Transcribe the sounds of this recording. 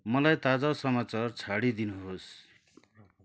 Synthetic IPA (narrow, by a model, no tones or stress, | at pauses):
mʌlajt̪ad͡zasʌmat͡sart͡sʰaɽid̪inuɦos